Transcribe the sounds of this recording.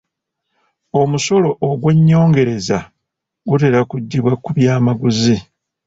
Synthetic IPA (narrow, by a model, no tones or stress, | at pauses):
o̞muso̞lo̞ʔːɡwe̞ɲːo̞ːŋɡe̞ɾe̞za | ɡute̞ɾakuɟːiβwakuβjaːmaɡuzi